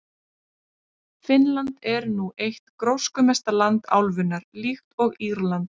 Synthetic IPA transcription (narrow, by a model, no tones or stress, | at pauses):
fɪnlant̪ɛɾnuʔejht̪kɾowskʏmɛst̪alant̪a̰wlvʏnːaɾlixt̪ɔɣiɾlant̪